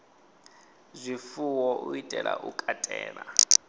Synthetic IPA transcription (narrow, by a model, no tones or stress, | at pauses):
zʷifuwɔʔuitʼɛlaʔukʼatʼɛːna